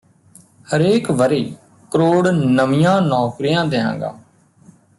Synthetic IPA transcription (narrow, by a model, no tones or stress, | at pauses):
həɾeːkʋəɾeː | kəɾoːɽnəmɪjãːnɔːkɾijãːd̪eːɦã̰ːŋɡa̰ː